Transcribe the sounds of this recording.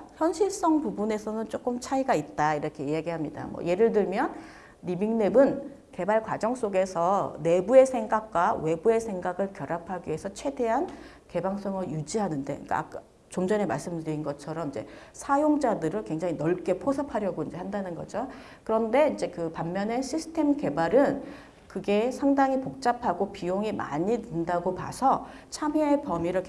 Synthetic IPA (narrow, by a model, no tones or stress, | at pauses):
çjʌnɕʰiɭs͈ʌŋpubune̞sʰʌnɯnt͡ɕ͈ok͈ɯmt͡ɕʰaiɡait̚t͈aiɾʌkʰe̞ijaɡiɦamɲida̰mwʌ̰je̞ɾɯɭdɯɭmjʌnː | ibiŋne̞bɯn | ke̞baɭkwad͡ʑʌŋs͈oɡe̞sʰʌne̞bue̞sʰeŋɡak̚k͈wawe̞bue̞sʰe̞ŋɡaɡɯɭkjʌɾapʰaɡie̞sʰʌt͡ɕʰwe̞de̞ɦan | ke̞baŋs͈ʌŋɯjud͡ʑiɦanɯnde̞ḭk͈a̰a̰k̚ | t͡ɕomd͡ʑʌnemaɭs͈ɯmdɯɾinɡʌt͡ɕʰʌɾʌmind͡ʑe̞̰sʰajoŋd͡ʑadɯɾɯɭkwe̞ŋd͡ʑaŋinʌɭk͈e̞pʰosʰapʰaɾjʌɡoind͡ʑe̞handanɯnɡʌ̰d͡ʑo | kɯɾʌnde̞ind͡ʑe̞kɯpamːjʌne̞ɕʰisʰɯ̥tʰe̞mke̞baɾɯn | kɯɡe̞sʰaŋdaŋipok̚t͡ɕ͈apʰaɡopioŋima̰ɲidɯndaɡopa̰sʰʌ | t͡ɕʰamiepʌmiɾʌkʰ